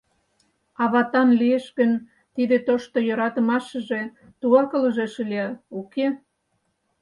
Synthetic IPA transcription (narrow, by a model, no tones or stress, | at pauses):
ɑβɑt̪ɑnlieʃkən | t̪id̪et̪oʃt̪ojoɾɑt̪ə̆mɑʃə̆ʒe | t̪uɑkələʒeʃəliɑuke